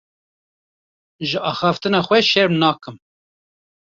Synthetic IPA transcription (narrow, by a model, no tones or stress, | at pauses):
ʒɨʔɑːxɑft̪ɨnɑːxʷɛʃɛɾmnɑːkɨm